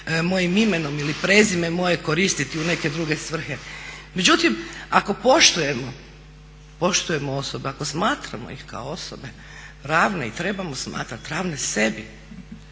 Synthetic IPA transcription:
mo̞jimimeno̞milipɾe̞zime̞mo̞je̞ko̞ɾist̪it̪iune̞ke̞d̪ɾuɡe̞sʋr̩xeme̞d͡ʑut̪imako̞po̞ʃt̪uje̞mo | po̞ʃt̪uje̞moo̞sobeako̞smaːt̪ɾa̰mo̰ḭxka̰oo̞so̰be̞ | ɾaːʋne̞it̪ɾe̞bamosma̰ːt̪ɾat̪ɾaːʋne̞se̞bi

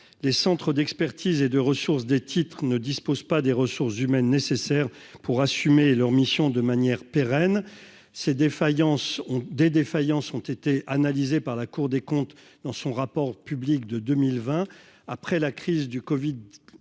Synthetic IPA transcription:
lesɑ̃t̪χəd̪ɛkspɛʁt̪ʰized̪əʁəsuʁs̬d̪et̪ʰit̪χnəd̪ispozpad̪eʁəsuʁszymɛnːesesɛʁ | puʁasymelœʁmisjɔ̃d̪əmanjɛʁpeʁɛn | sed̪efajɑ̃sɔ̃d̪ed̪efajɑ̃sɔ̃t̪et̪eʔanalizepaʁlakuʁd̪ekɔ̃t̪ | d̪ɑ̃sɔ̃ʁapɔʁpyblikd̪əd̪ømilvɛ̃ | apχɛlakχizd̪ykɔvid̪

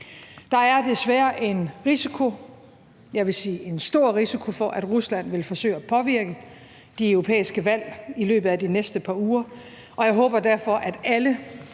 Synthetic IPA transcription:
d̥ɑ̈æɐd̥e̝sʋæːɐʔe̝nʁisikʰo̝ | jɑ̈ʋe̝siːʔe̝nsd̥o̝ɐ̰ʁisikʰo̝fɒ̽ʔæd̥ʁuslæn̰ʋe̝lfɒ̽sø̰ɪ̰æpʰɒ̽ʋiɐɡ̥ə | d̥iœʊʁo̝pʰḛːisɡ̥əʋæl̰ilø̰ːb̥ð̩ˠæd̥inesd̥əpʰɑ̈ːuːɐ | ʔɒ̽jɑ̈ɪɦɔ̽ːb̥ɐd̥æɐ̰fɒ̽ʔæd̥ælə

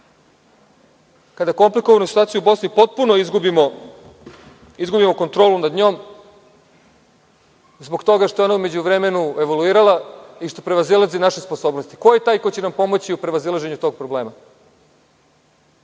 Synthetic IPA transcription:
kad̪ako̞mplikoʋanosit̪uat̪ijubo̞snipo̞t̪̚punoizɡubimo | izɡubimo̞ko̞nt̪ɾo̞ːlunad̪ɲo̞ːm | zboɡt̪o̞ɡaʃt̪ojonaume̞d͡ʑuʋɾeme̞nue̞ʋoluiːɾalaiʃt̪opɾeʋazilazinaʃesposo̞ːbno̞st̪i̥kojet̪aːjko̞jt͡ɕenampo̞mo̞t͡ɕiupɾeʋazilˠaʒe̞ɲut̪o̞ːɡ̚pɾobleːma

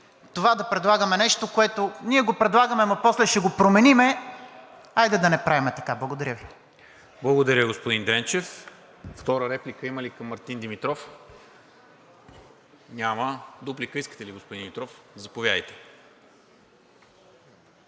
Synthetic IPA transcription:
t̪ovad̪ɐpɾɛd̪lˠaɡəmɛnɛʃt̪okoɛt̪oniɛɡopɾɛd̪lˠaɡəmɛmɐpɔslɛʃɛɡopɾomɛnimɛ | ajd̪ɛd̪ɐnɛpɾavimɛt̪ɐkablˠɡod̪ɐɾʲəvi | blˠɐɡod̪ɐɾʲəɡospod̪ind̪ɾɛnt͡ʃɛf | ft̪ɔɾəɾɛplikəiməlikɐmːɐɾt̪ind̪imit̪ɾɔf | nʲaməd̪uplikəiskə̥t̪ɛliɡospʊd̪ind̪imit̪ɾɔfzɐpovʲjad̪əjt̪ɛ̥

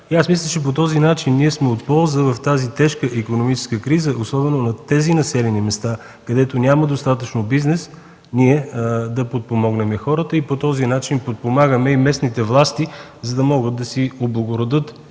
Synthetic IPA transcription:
iasmislʲˠət͡ʃɛp̬ot̪ɔzinat͡ʃinːiɛsmɛot̪pɔlˠzəvɐft̪azit̪ɛʃkəʔikonomit͡ʃɛ̥skəkɾizəʔosɔbɛnonɐt̪ɛzinɐsɛlɛnimɛst̪a | kɐd̪ɛt̪onʲaməd̪ost̪at̪ət͡ʃnobiznɛs | niɛd̪ɐpot̪̚pomɔɡnɛmɛxɔɾət̪əipot̪ɔzinat͡ʃinpot̪̚pomaɡəmɛimɛsnit̪ɛvlˠast̪i | zɐd̪ɐmɔɡət̪̚d̪ɐsioblˠɐɡoɾod̪ɤt̪

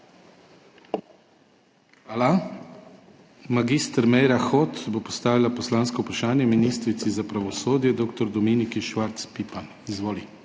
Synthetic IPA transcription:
ala | maɡist̪ɾmɛjɾaxot̪bopɔst̪aːʋilapɔslaːnskɔupɾaʃaːnjɛminist̪ɾit̪sizapɾaʋɔsoːd̪jɛd̪oːk̚t̪ɔɾd̪ɔmiːnikiʃʋaɾt̪spipan | izʋoːli

